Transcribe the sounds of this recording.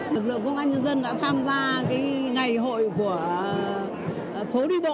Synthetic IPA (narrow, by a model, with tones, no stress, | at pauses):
lɨ˨˩k̚lɨ̰˧˨ə˨ŋkə˧wŋ͡mʔaː˧nɲə˧nzə˧nɗa̰ː˧˥t̪ʰaː˧mzaː˧kaː˨˦jŋa˨˩jɦo̰˧˨jku˧˩ə | fo˨˦ɗi˧ɓo̰˧˨